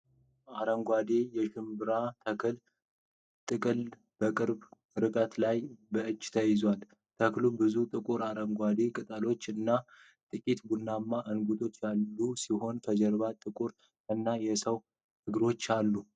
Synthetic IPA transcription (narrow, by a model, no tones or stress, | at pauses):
aɾəŋɡʷad̪e̞jɛʃɨmbɨɾat̪ʰəkʰɨl | t̪ʼɨkʼɨl | b̥əkʼɨɾb | ɾɨkʼət̪lajbəʔɨt͡ʃːt̪ʰəjɪzwal | t̪ʰəklubɨzut̪ʼɨkʼuɾaɾəŋɡʷad̪e̞kʼɨt̪ʼəlo̞t͡ʃːɨnːa | t̪ʼɨkʼit̪bunːamːaʔɨnɡud̪ʰo̞t͡ʃːjalːusiho̞nkʰəd͡ʒɛɾβat̪ʼɨkʼuɾ | ɨnːajɛsəw | hɨɡɾo̞t͡ʃːalːu